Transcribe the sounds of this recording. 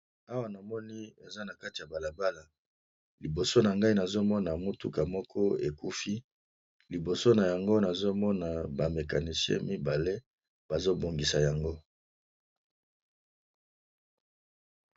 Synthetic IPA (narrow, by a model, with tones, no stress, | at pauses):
a˦wa˨na˨mɔ˦ni˦e˨za˦na˨ka˦ti˨ja˨ba˨la˨ba˦la˨ | li˨bo˨so˦na˨ŋɡa˦i˦na˨zo˦mɔ˦na˨mo˦tṵ˦ka˨mɔ˦kʰɔ˦e˨ku˦fi˦ | li˨bo˨so˦na˨ja˨ŋɡo˦na˨zo˦mɔ˦na˨ba˨me˨ka˨ni˨sjɛ̰̃˦mi˦ba˨le˦ | b̥a˨zo˦bo˨ŋɡi˨sa˨ja˨ŋɡo˦